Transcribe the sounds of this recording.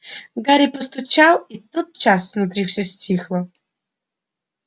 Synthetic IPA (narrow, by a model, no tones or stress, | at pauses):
ɡaɾʲipɐst̪ut͡ʃʰalˠit̪ːot̪̚t͡ʃʰasvnut̪ɾʲifsʲosʲtʲʰixlˠɐ